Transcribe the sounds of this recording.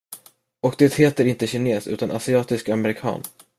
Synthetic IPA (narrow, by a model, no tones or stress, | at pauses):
ɔk̚d̪ɛt̪heːt̪əɾɪnt̪əɕɪneːsʉ̟ːt̪anʔasɪɑːt̪ɪskamɛɾɪkʰɑ̰ːn